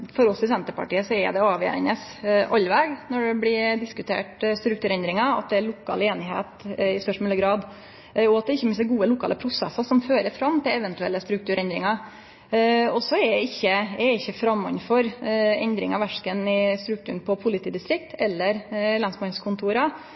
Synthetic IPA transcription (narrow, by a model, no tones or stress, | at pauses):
fɔɾɔsɪsɛnt̪əpɑ̰ʈiːəsɔɛ̰d̪ɛɑːʋjḛɾnəsʔɔlʋɛɡnɔɖɛblɪd̪ɪskʉt̪ʰḛːʈst̪ɾʉk̚t̪ʉːɾɛnd̪ɾɪŋɑɑ̰t̪̚d̪ɛæɭʊkʰːɑ̰ːleːnɪɦḛːt̪ɪst̪œʂmɔlːəɡɾɑːd̪ | ɔɑt̪̚d̪ɛɪçːəmɪnsəɡuːəlʊkʰɑ̰ːləpʰɾʊsɛ̰sɑsɔmføːɾəɾfɾɑmt̪ʰɪlɛʋɛnt̪ʉɛ̰lːəst̪ɾʉk̚t̪ʉːɾɛnd̪ɾɪŋɑ | ɔsɔɛɛɪçːəɛɪçːəfɾɑmːɑ̰nfɔɾɛnd̪ɾɪ̰ŋɑʋæʂkənɪst̪ɾʉk̚t̪ʉːɳpʰɔpʰʊlɪt̪ʰiːd̪ɪst̪ɾɪk̚t̪ɛlːəɾlɑnsmɑnskʰʊnt̪ʰuːɾɑ